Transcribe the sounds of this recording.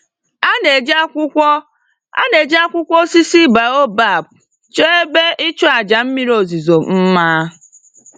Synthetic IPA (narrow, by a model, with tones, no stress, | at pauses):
a˦ne˨d͡ʒa˦kʷʊ˦kʷɔ˦ | a̰˦ne˨d͡ʒa˦kʷʊ˦kʷɔ˦si˦si˦ba˨o˦ba˦˨p̚ | t͡ʃe˦e˦be˦ʔi˦t͡ʃɔ˦a˨d͡ʒa˨m̩˦mi˦ɾo˨zi˨zo˨m̩˦maː˦